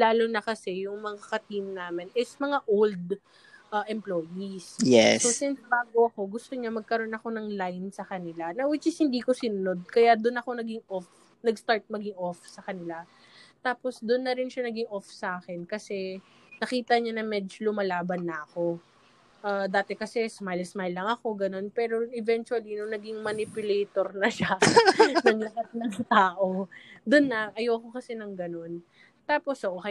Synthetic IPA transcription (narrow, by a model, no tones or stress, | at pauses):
laːlonɐkɐsɛjʊŋmɐŋakɐt̪imnaːmɪnʔɛsmɐŋaʔold̪ | ʔɐʔɛmplojisjɛ̰sosɪnsbaːɡoʔɐko̞ɡʊst̪oɲamɐɡ̚kɐɾo̞nɐko̞nɐŋlajnsɐkɐnɪlanɐwɪd͡ʒɐshɪnd̪iːko̞sɪnʊno̞d̪̚kɐjad̪ʊnɐko̞nɐɡɪŋʔof | nɐɡst̪aɹt̪̚mɐɡɪŋʔofsɐkɐnɪla | t̪aːpo̞sd̪ʊnːɐɾɪnʃanɐɡɪŋʔofsɐʔaːkɛnkɐsɛ | nɐkiːt̪ɐɲanɐŋmɛd͡ʒolʊmɐlaːbɐnːɐʔɐko̞ | ʔad̪aːt̪ɛkɐsɛsmajlsmajlːɐŋɐko̞ɡɐno̞npɛːɾo̞ʔɪvɛnt͡ʃʊɐlinoŋnɐɡɪŋmɐnɪpjʊlɛjt̪oɾnɐʃa | nɐŋlɐɦɐt̪̚nɐŋt̪aːʔo̞d̪ʊnːɐʔɐjowko̞kɐsɛnɐŋɡɐno̞n | t̪aːpo̞soʔok